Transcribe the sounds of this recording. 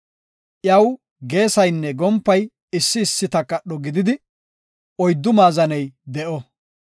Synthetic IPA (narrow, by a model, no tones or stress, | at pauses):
ʔjɐw | ɡe̞ːsɐjnːɛɡɔmpːɐj | ɪsːɪːsːɪt̪ɐkːɐɗːɔɡɪd̪ɪd̪ɪ | ɔjd̪ːʊmaːzɐnɛjd̪ɛʔɔ